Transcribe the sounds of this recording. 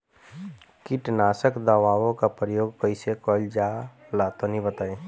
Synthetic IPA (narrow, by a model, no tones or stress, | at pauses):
kɪʈnaːsəkd̪əʋaːʋõkapɾəjoːɡpəɪsekɔːld͡ʒalaːt̪onibət̪aːẽː